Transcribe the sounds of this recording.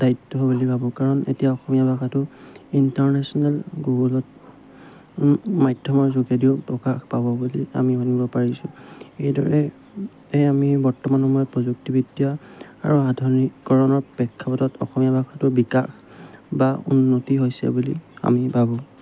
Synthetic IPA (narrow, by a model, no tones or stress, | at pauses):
d̥ajtːɔɦobulibʱabɔkaɹɔnḛtijaɔxɔmijabʱakatʊintaɹnɛsɔnalɡoɡlɔt | majdʱɔmɔɹzoɡediʊpɹɔkaxpabɔbulia̰miɔnibɔpaɹisʊ̰̃ejdɔ̰ɹɛ | eamibɔɹtɔmanɔmɔjɔpɹɔzuk̚tibitia | a̰ɹuɦadʱɔɹnikːɔɹɔnɔɹbɛkʰːapɔtɔtɔ̰xɔmijabʱaxatʊbikax | baṵnːotiɦojsɛ̰bulḭa̰mibʱabɔ